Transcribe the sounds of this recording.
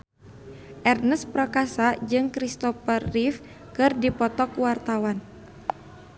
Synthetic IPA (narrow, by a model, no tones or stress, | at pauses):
ʔɛrnəspɾɔkasad͡ʒɨŋkɾist̪ɔfərːif | kɨrdipɔt̪ɔkuwart̪awan